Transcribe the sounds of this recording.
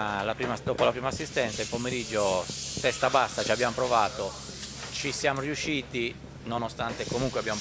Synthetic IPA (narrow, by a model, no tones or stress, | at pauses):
lapɾiːmad̪oːpolapɾiːmasːist̪ɛnt̪sailpomeɾid͡ʒːofɛst̪abasːat͡ʃiabːjamopɾovaːt̪o | t͡ʃisjaːmoriuʃːiːt̪i | nonost̪ant̪ekomuŋkweabjamo